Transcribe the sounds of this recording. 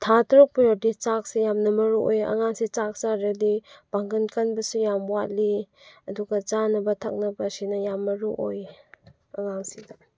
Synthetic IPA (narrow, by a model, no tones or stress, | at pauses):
tʰatɾuk̚pijodit͡ʃak̚sijamnɐmɐɾuʔo̰jɐ̰ŋaŋsit͡ʃak̚t͡ʃaɾɐdib̥aŋɡɐnkɐnbɐsujamwat̚li | ɐduɡɐt͡ʃanɐbɐtʰɐ̰k̚nɐbɐsinɐjamːɐɾuʔoj | ɐŋaŋsidɐ